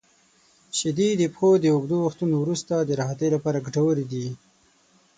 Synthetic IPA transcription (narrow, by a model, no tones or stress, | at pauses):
ʃɪd̪id̪əpxod̪əːɡd̪owaxt̪unowɾust̪ad̪əɾaɦat̪əjlapɑɾaɡɖawəɾid̪i